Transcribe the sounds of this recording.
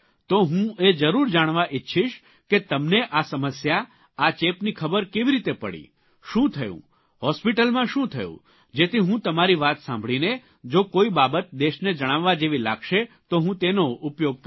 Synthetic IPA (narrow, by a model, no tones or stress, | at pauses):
t̪oɦũed͡ʒəɾuɾd͡ʒaɽ̃ʋaʔɪtːʃʰiʃ | ket̪əmneʔasəməsja | at͡ʃepnikʰəbəɾkeʋiɾit̪epə̰ɽḭ | ʃũt̪ʰəjṵ̃ | ɦɔspiʈəlmãʃũt̪ʰəjṵ̃ | d͡ʒet̪ʰiɦũt̪əmaɾiʋat̪sã̰mbʱɭine | d͡ʒokoibabət̪̚d̪eʃned͡ʒəɽ̃aʋːad͡ʒeʋila̰ɡʃet̪oɦũt̪enoʊpjoɡ̚k